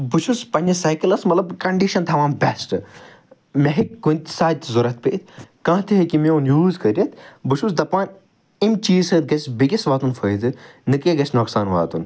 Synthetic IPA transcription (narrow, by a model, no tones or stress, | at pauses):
but͡ʃʰuspɐnʲɐsɐjkilɐsmɐt̪lɐbkɐɳɖiʃɐnt̪ʰɐʋaːnbʲɛsʈɨ | mʲɐɦikɡunʲt̪ʲsaːzuɾɐt̪̚pḛːt̪ʲkɐ̃ːt̪ʰiɦɐkimewnjuːzkɐɾʲjɐt̪buʃʰusd̪ɐpaːn | imt͡ʃiːsɐːt̪̚ɡɐt͡ʃʰbiɡʲisʋaːt̪unfʰəːjzɨnɨkeɡɐt͡ʃʰnoːksaːnʋa̰ːt̪un